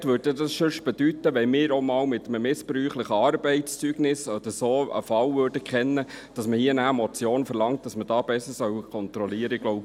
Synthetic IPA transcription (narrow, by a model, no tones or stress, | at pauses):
tvʋøːdedɑsʃʏʃb̥ɛdyt̪ːəʋɛnmɪːɾomɑːlmɪt̪ːəməmɪspɾyːχləχəɑːɾbɛɪtst͡syːɡ̥nɪsɑd̥̪əsoːə̰fɑlvøːrd̥əkχɛnːəd̥ɑsməhiːənæːmɔt͡sjoːnfəɾlɑŋt̚d̥ɑsməd̥ɑːb̥ɛsəɾsœwkʰɔnt̪ɾɔliːəɾəɪɡ̥loʊbə